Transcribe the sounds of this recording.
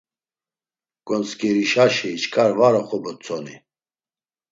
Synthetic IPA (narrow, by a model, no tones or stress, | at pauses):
ɡ̥ʼɔnt͡skʰʼiɾiʃaʃiːt͡ʃkʼaɾvaɾɔχɔbɔt͡sʰɔnḭ